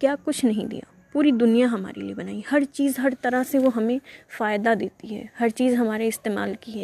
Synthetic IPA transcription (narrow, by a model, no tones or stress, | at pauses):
kjaːkʊt͡ʃʰnɐɦĩd̪ḭja̰ː | puːɾid̪ʊnijaɦɐma̰ːɾeliebɐnaːihɐɾt͡ʃiːzɦɐɾt̪ɐɾaɦseʋoɦɐmẽfaːɪd̪ad̪eːt̪iɦɛ̰ːhɐɾt͡ʃiːzɦɐmaːɾeɪst̪eːma̰ːlkiɛː